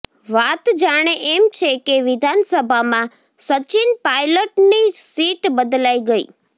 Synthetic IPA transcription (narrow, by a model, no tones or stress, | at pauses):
ʋat̪d͡ʒaɽ̃eʔemt͡ʃʰekeʋɪd̪ʱansəbʱamã | sət͡ʃinpajləʈnisiʈbəd̪laiɡəḭ